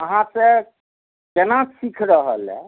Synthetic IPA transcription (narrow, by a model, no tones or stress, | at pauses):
əɦãse | d͡ʒenasikʰɾəɦə̰l̰